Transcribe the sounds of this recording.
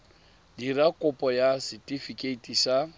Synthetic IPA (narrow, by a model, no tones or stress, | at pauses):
dirakʼʊpʼɔjasɪtʼifikʼeitʼiʃa